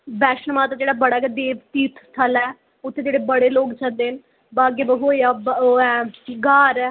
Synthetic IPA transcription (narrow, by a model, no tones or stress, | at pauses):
bɛːʃnəmaːt̪aːd͡ʒeːɽaːbəɽaːkːd̪eːʋt̪iːt̪ʰt̪ʰəlɛː | ʊt̪ʰːeːd͡ʒeːɽeːbəɽeːloːkt͡ʃʰəld̪eːn | baːɡeːbəɦoːjaːbɛɡaːɾɛː